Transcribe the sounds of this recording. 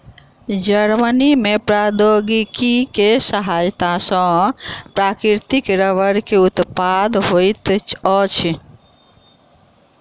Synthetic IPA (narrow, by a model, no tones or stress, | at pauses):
d͡ʒəɾmənimepɾad̪oɡikikesəɦajt̪asə̃pɾakɾiɾt̪ikɾəʋəɾkeut̪pad̪ɦojt̪ɔt͡ʃʰi